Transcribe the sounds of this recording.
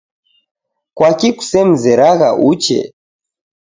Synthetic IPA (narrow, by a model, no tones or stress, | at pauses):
kwakiku̥sɛm̩zɛɾaɣaʔut͡ʃɛ̰